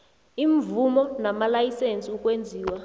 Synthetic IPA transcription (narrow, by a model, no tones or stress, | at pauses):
iɱvumɔnamalajisent͡sʼiukʼwend͡zʱiːwa